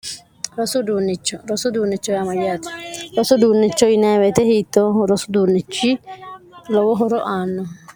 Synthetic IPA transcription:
ɾɔsʊd̪uːnːɪt͡ʃːɔɾɔsʊd̪uːnːɪt͡ʃːɔjamɐjːaːt̪ɪ̥ɾɔsʊd̪uːnːɪt͡ʃːɔɪnawɛt̪ɛhiːt̪ːɔɾɔsʊ̥d̪uːnːɪt͡ʃːi | lɔwɔɦɔɾɔʔaːnːɔ

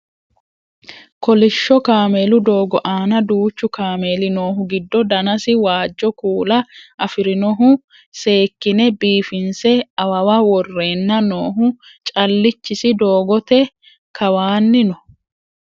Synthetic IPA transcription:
kɔlɪʃːɔkaːmeːlʊd̪o̞ːɡɔʔaːnɐd̪uːt͡ʃːʊkaːmeːlɪnoːɦʊɡɪd̪ːɔd̪ɐnɐsɪwaːd͡ʒːɔkuːlɐʔɐfɪɾɪnɔɦʊ | se̞ːkːɪnɛbiːfɪnsɛɐwɐwɐwɔrːe̞ːnːɐno̞ːɦʊ | t͡ʃʼɐlːɪt͡ʃːɪsɪd̪o̞ːɡɔt̪ɛ | kɐwaːnːɪnɔ

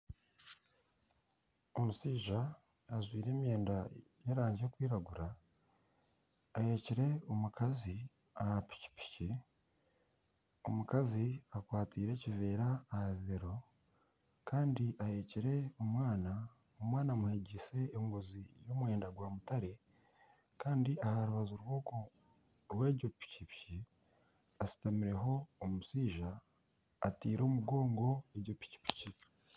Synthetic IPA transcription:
o̞musiːʒaː | zwiːɾe̞ːmje̞ːndajeɾaːɲɟekwiːɾaɡuɾa | aje̞ːciɾe̞o̞mukʰazi | ahapi̥ci̥pi̥ci | o̞̰mukaziakwaːtiːɾe̞ːcive̞ːɾaːhaβiβeɾo̞ | kaːndiʔahe̞ːciɾe̞omwaːna | omwaːnamuhe̞ɟese̞ːŋɡozijomwe̞ːndaɡwaːmutaɾe̞ | kaːndiʔahaɾuβazoɾwo̞ko | ɾwe̞ːɟo̞pi̥cipci | asi̥tamiɾe̞ɦo̞ːmusiːʒaː | tiːɾo̞ːmuɡo̞ːŋɡo̞eɟo̞pi̥ci̥pi̥ci

